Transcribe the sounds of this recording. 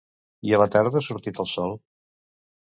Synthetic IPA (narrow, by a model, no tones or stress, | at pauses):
iələt̪ɛrðəsuɾt̪it̪əlˠsɔlˠ